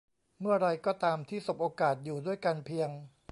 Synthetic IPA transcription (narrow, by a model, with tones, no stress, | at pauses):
mɯ˥˩ɐɾa˧jkɔː˥˩t̪aː˧mt̪ʰiː˥˩so˨˦˩p̚ʔoː˧kaː˨˩t̪̚juː˨˩du˥˩əjka˧npʰi˧əŋ